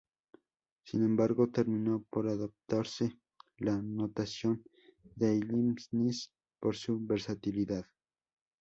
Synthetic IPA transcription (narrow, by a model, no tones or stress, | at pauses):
sḭnembaɾɡot̪eɾminopoɾaðop̚t̪aɾse | lanot̪asjon | d̪eʎimsnis | poɾsubeɾsat̪iliðað